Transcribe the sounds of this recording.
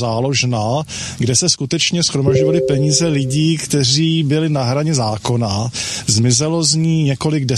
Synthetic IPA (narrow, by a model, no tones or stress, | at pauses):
aːloʒnaɡdɛsɛskut̪ɛt͡ʃɲɛsxɾomaʒɟovalɪpɛɲiːzɛlɪɟiːkt̪ɛr̝iːbɪlɪnaɦɾaɲɛzaːko̞nazmɪzɛlo̞zɲiːɲɛko̞lɪɡdɛ